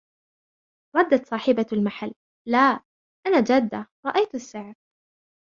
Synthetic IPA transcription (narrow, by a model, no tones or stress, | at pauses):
ɾˤɑd̪ːat̪sˤɑːħɪbalmaħalː | aː | ʔanaːd͡ʒad̪ːaɾˤɑʔajt̪asːɪʕɾ